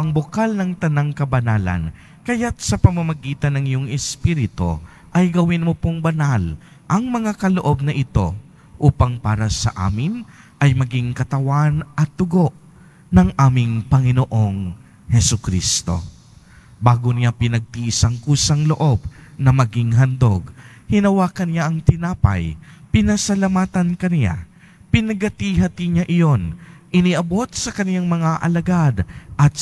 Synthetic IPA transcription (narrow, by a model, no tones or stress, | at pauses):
ɐŋbokalnɐŋt̪ɐnaŋkɐbɐnaːlɐ̰n | kɐjat̪̚sɐpɐmɐmɐɡiːt̪ɐnːɐŋɪjoŋɛspiːɾɪt̪o̰ | ʔɐjɡɐwɪnmopoŋbɐnal | ʔɐŋmɐŋakɐloʔo̞b̚nɐʔɪt̪o̞ | ʔuːpɐŋpaːɾɐsɐ̰ʔa̰ːmɪn | ʔɐjmɐɡiŋkɐt̪ɐwanʔɐt̪̚d̪ʊɡo̞ʔ | nɐŋʔaːmɪŋpɐŋɪnoʔoŋ | hɛsʊkɾḭst̪o̞̰ | baːɡonɪjapɪnɐɡ̚t̪iʔɪsɐŋkuːsɐŋloʔo̞b̚nɐmɐɡiŋɦɐnd̪o̞ɡhɪnɐwaːkɐnɪjaʔɐŋt̪ɪnaːpɐ̰jpɪnɐsɐlɐmaːt̪ɐnkɐnɪja̰ | pɪnɐɡɐt̪iɦɐt̪iɲaʔɪjo̞nʔɪniʔɐbo̞t̪̚sɐkɐnɪjaŋmɐŋaʔɐ̰lɐɡad̪ʔɐt̪̚